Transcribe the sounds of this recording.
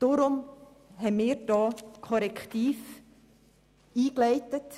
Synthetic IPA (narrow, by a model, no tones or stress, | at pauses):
d̥ʊɾʊm | ɦɛmɪːɾd̥ɑːkʰɔɾɛkχtiːf | iːklɛɪtət